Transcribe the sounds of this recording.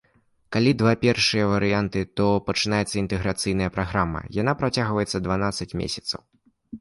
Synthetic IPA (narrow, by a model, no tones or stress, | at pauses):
kalʲid̪vapʲɛrʂɨjɐvɐɾɨjant̪ɨt̪ɔpɐt͡ʂɨnajɛt̪sːɐint̪ɨɣɾat̪sɨjnɐjɐpɾaɣɾamːɐ̰jan̪apɾat͡sʲaɣvɐjɛt̪sːɐd̪vanat̪sːɐt͡sʲmʲḛsʲɐ̥t̪sɐ̰w